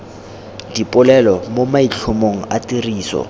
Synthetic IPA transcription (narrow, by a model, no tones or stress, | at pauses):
dipʼʊlɛlɔmomaiɬʰʊmoŋ̩atʼiriːsɔ̰